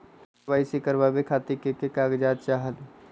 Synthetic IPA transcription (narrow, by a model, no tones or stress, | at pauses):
baːɪsikəɾbabekʰaːt̪ikekekaːɡd͡ʒaːt̪̚t͡ʃaːɦəl